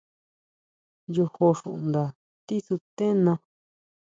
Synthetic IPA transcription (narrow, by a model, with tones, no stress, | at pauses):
jo˧ho˧ʂũ˧ʔnd̪a˨ | t̪i˦su˧t̪ẽ˦nã˧